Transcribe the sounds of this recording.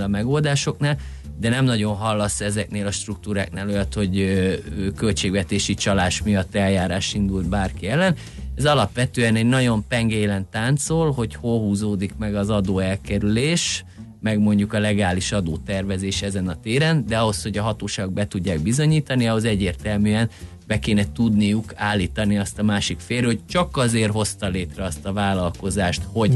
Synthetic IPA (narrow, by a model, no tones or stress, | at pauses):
lɒmɛɡo̞ld̪aːʃo̞knaːl | d̪ɛnɛmnɒɟonɦɒlːɒsːɛzɛkneːlɒʃt̪ruk̚t̪uːɾaːknaːlojɒt̪ho̞ɟøøːkø̞lt͡ʃeːɡʋɛt̪eːʃit͡ʃɒlaːʃmijɒt̪ːɛljaːɾaːʃind̪ult̪̚baːrkiɛlːɛn | ɛzɒlɒpʋɛt̪øːɛnɛɟnɒɟo̞mpɛŋɡeːlɛnt̪aːnt̪solɦo̞cholɦuːzoːd̪ikmɛɡɒzɒd̪oːɛlkɛɾyleːʃ | mɛɡmo̞ɲɟukɒlɛɡaːliʃɒd̪oːt̪ɛrvɛzeːʃɛzɛnɒt̪eːɾɛnd̪ɛɒɦo̞shoɟɒɦɒt̪oːʃaːɡo̞ɡ̚bɛt̪uɟːaːɡ̚bizo̞ɲiːt̪ɒniɒɦo̞zɛɟːeːrt̪ɛlmyːɛn | bɛkeːnɛt̪ud̪nijukaːlːiːt̪ɒniɒst̪ɒmaːʃikfeːɾhoc̚t͡ʃɒkɒzeːrɦo̞st̪ɒleːt̪rɛɒst̪ɒvaːlɒlko̞zaːʃt̪ho̞ɟ